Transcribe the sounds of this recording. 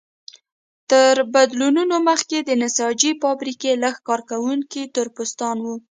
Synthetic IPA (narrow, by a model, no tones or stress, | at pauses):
t̪əɾbad̪lununoməxked̪ənɪsɑd͡ʒifɑbɾikelaxkɑɾkawuŋkit̪ʊɾpʊst̪ɑnwu